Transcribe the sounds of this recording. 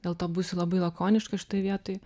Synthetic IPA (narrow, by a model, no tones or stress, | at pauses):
d̥̪ʲeːlˠt̪oːbusʲʊlˠɐbɐɪlˠɐkoːnʲɪʃkɐʃʲɪ̥t̪oːɪʋʲiɛt̪oːj